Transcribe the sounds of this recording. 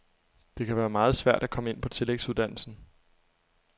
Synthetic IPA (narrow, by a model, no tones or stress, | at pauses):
d̥e̝kʰæʋæːɐmɑ̈ːð̞̩ˠsʋæɐ̰d̥ækʰɒ̽məe̝n̰pʰɒ̽t͡sʰe̝leɡ̥suð̞ˠd̥æn̰l̩sn̩